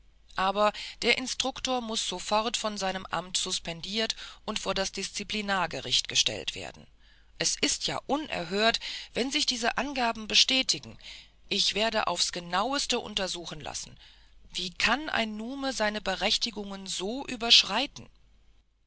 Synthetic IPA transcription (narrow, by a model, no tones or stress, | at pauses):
ʔaːbɐd̥eːɐʔɪnstʁ̥ʊktoːɐmʊsz̥ofɔʁtfɔnzaɪnəmʔa̰mtz̥ʊspɛndiːɐtʔʊntfoːɐdasd̥ɪst͡siplinaːɐɡəʁɪçtɡ̥əʃtɛ̰ltv̥ḛːɐdn̩ | ʔɛsʔɪstʰja̰ːʔʊnʔɛ̰ɐɦøːɐtv̥ɛnzɪçd̥iːzəʔanɡaːbm̩bəʃtɛːtʰɪɡŋ̩ | ʔɪçv̥eːɐdə̰ʔa̰ʊfsɡ̥ənaʊəstəʔʊ̰ntɐzuːxn̩la̰sn̩v̥iːkʰanʔa̰ɪnːuːməzaɪnəbəʁɛçtɪɡʊŋənzoːʔyːbɐʃʁ̥aɪtn̩